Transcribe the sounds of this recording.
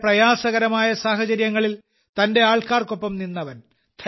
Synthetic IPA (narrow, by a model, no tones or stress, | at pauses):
prɐjaːsɐɣɐɾɐmaːjɐsaːɦɐt͡ɕɐɾjɐŋːɐɭil | t̪ɐnde̞aːɭkaːrko̞pːɐmninːɐʋɐn | t̪ʰ